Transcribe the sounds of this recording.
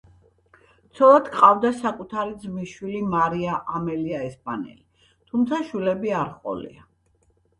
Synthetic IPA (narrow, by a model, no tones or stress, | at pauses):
t̪sʰɔlˠad̪kqʼavd̪asakʼut̪ʰaɾid̪zmiʃwilimaɾiaʔamɛliaɛspʼanɛ̰li | t̪ʰumt̪sʰaʃwilɛbiaɾχʼɔ̰lḭa